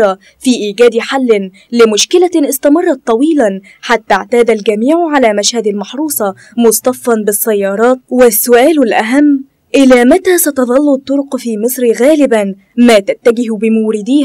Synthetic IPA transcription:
ɑ | fiːʔiːɡæːd̪ħalːɪn | lɪmʊʃkɪlaʔɪst̪ɑmɑrˤːɑt̪ˤːɑwiːlan | ħat̪ːaʕt̪aːd̪alɡæmiːʕʕalaːmaʃhad̪almɑħɾuːsˤɑ | mʊsˤt̪ˤɑfːɑnbɪsːɑjːɑːɾˤɑːt̪̚wɪsːʊʔæːlʊlʔaɦamː | ʔɪlaːmat̪aːsɑt̪ɑðˤɑlːʊt̪ˤːʊɾʊqfiːmɨsˤɾɣæːlɪban | maːt̪at̪ːaɡɪɦbɪmʊwɾɪd̪iːh

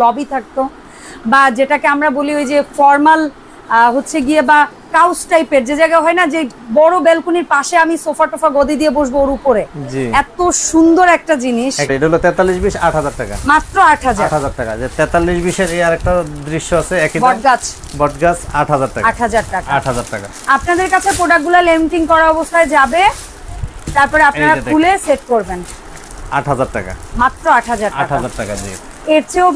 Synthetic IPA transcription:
lɔbit̪ʰak̚t̪o | bad͡ʑeʈakeamɾaboliojd͡ʑefɔɾmal | ɦotːɕʰeɡieba | kawsʈajpeɾd͡ʑed͡ʑajɡaɦɔenad͡ʑebɔɽobelkuniɾpaʃeamisofaʈofaɡod̪ʱid̪ieboʃbooɾupoɾed͡ʑiɛt̪oʃund̪oɾɛk̚ʈad͡ʑiniʃɛeʈaɦulot̪ɛt̪alːiʃbiʃa̰ʈɦad͡ʑaɾʈaka̰mat̪ːɾoaʈʰɦad͡ʑaɾʈɦad͡ʑaɾʈaka̰d͡ʑet̪ɛt̪alːiʃbiʃeɾeaɾek̚ʈad̪ɾiʃːoat͡ɕʰeɛkidbɔʈɡat͡ɕʰ | bɔʈɡat͡ɕʰaʈɦad͡ʑaɾʈakaʈʰɦad͡ʑaɾʈakaaʈɦad͡ʑaɾʈaka | apnad̪eɾkat͡ɕʰepɾoɖak̚ɡulalemiʈiŋkɔɾaɔbost̪ʰaed͡ʑabe | t̪aɾpɔɾeapnaɾakʰuleseʈ̚koɾben | a̰ʈɦad͡ʑaɾʈa̰ka̰mat̪ːɾoaʈɦad͡ʑaɾaakɦad͡ʑaɾʈakad͡ʑḭ | eɾt͡ɕʰeo

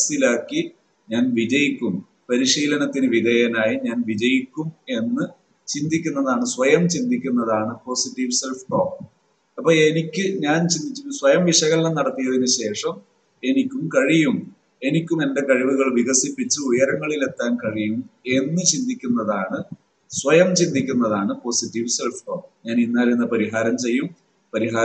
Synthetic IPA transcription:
silaːkːi | ɲaːnʋid͡ʑɐjikʲːum | pɐɾiʂiːlɐnɐt̪ːinɨʋid̪ʱɐjɐnaːjiɲaːnʋid͡ʑɐjikʲːume̞nːɨ | t͡ɕind̪ʱikʲːunːɐðaːɳɨswɐjɐmt͡ɕind̪ʱikʲːunːɐðaːɳɨpo̞ːsiʈːiʋse̞lfʈoːp | ɐpːoːɭe̞nikʲːɨɲaːnt͡ɕind̪it͡ɕːuswɐjɐmʋiʂɐɣɐlnenːɐɽɐt̪ːijɐðinɨɕe̞ːʂɐm | e̞nikʲːumkɐɻijum | e̞nikʲːumenɖe̞kɐɻiʋuɣɐɭʋiɣɐsipːit͡ɕːɨujɐɾɐŋːɐɭile̞t̪ːaːnkɐɻijume̞nːɨt͡ɕind̪ikʲːunːɐðaːɳɨ | sʋɐjɐmt͡ɕind̪ʱikʲːunːɐðaːɳɨpo̞siʈːiʋse̞lfʈoːpɲaːninːaːlinːɨpɐɾiɦaːɾɐmt͡ɕe̞jːum | pɐɾiɦaː

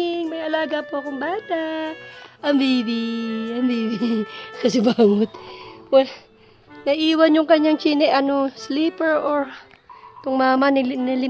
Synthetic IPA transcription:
ɪŋmɐjɐlaːɡapoɐkoŋbaːt̪a | ʔɐmbiːbiɐmbiːbikɐsɛbaːŋʊt̪wɛl | nɐʔiːwɐnjʊŋkɐɲːaŋt͡ʃiːnɛʔɐnosliːpɛɹʔoɹ | t̪ʊŋmaːmɐnnɐlɪ

